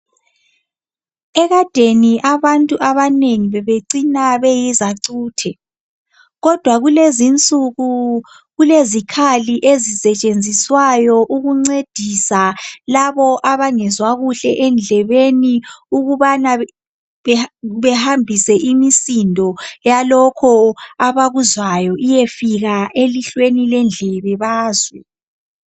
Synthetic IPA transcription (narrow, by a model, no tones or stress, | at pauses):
ɛɣad̥ʱeniʔaβantʼuʔaβaneŋiβɛβeǀinaβɛjizaǀuːtʰɛ | ɣɔd̥ʱwaɣulezint͡sʼuɣu | ɣulezikʰaliʔezisɛt͡ʃʼend͡zʱiswajɔʔuɣuŋ͡ǀed̥ʱisalaβɔʔaβaŋɛzwaɣuɬɛʔɛnd͡ɮʱɛβeniuɣuβana | βɛhambʱisɛʔimisindʱɔjalɔkʰɔaβaɣuzwajɔʔijefiɣaeliɬwenilɛnd͡ɮʱɛβɛβaːzwɛ